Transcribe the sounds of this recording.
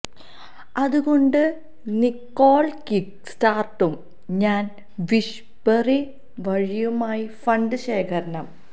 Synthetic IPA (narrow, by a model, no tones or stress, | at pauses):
ɐðuɣo̞ɳɖɨ | nikːo̞ːlkik | staːrʈːum | ɲaːn | ʋiʂ | pɐri | ʋɐɻijumaːjifɐɳɖɨɕeːkʰɐɾɐɳɐm